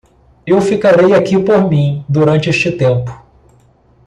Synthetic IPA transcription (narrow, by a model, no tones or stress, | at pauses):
ewfikaɾejakipoɾmĩd̪uɾɐ̃nt͡ʃɪeʃt͡ʃɪt̪ẽmpʊ̥